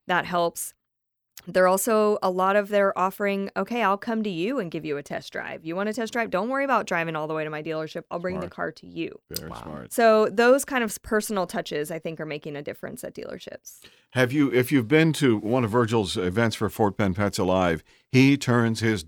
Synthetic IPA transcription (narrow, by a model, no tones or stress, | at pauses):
ðət̚ɦɛlˠps | ðə˞ɔlˠsoʊəlɔɾʌvðə˞ə˞ʔɔfə˞ɪ̃ŋoʊkʰeɪaɪlˠkʰʌ̃mtɨjʉɨ̃nɡɪvjɨɨtʰɛ̰sd̥ɹa̰ɪvjɨwɑ̃ñɨtʰɛsdɹ̥aɪvdõʊ̃nʔwɜɹiəbaʊtdɹaɪvɪ̃ŋɔlˠðəweɪɾɨmaɪdilˠə˞ʃɪpaɪlˠbɹɪ̃ŋðɨkʰɑ̰ɹɾɨjʉ̰vɛ̰ɹiw̰smɑ̰ɹt̚soʊðoʊz̥kʰãɪ̃ndʌv̥pʰɜ˞sn̩l̩ˠtʰʌt͡ʃɪzaɪθɪ̃ŋkə˞meɪkɪ̃ŋɨdɪfɹɨ̰̃nsɨ̰t̚d̥ḭlˠə̰˞ʃɪ̰ps | hɨvjɨɪfjɨvbɪ̃ntʰɨwʌ̃nʌvɜ˞d͡ʒl̩ˠzɪvɛ̃ntsfə˞fɔɹt̚pʰɛ̃npʰætsəlaɪv̥ | hitʰɜ̃˞nz̥ɪz